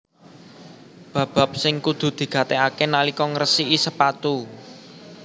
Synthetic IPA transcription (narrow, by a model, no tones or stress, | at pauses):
b̥ä̤b̥ä̤p̚sɪŋkud̪̥ṳd̪̥i̤ɡ̥ä̤t̪ɛakenalikɔŋrəsiʔisəpat̪u